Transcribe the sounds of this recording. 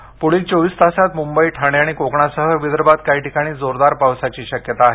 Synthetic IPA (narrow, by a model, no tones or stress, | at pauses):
poɭiːkt͡soʋiːst̪asat̪mumbəiːʈʰaɽ̃eaɽ̃ikokɳasəɦəʋid̪əɾbat̪kaiʈikaɽ̃iːd͡zoɾd̪aɾpawsat͡ɕiːɕəkjət̪aːɦe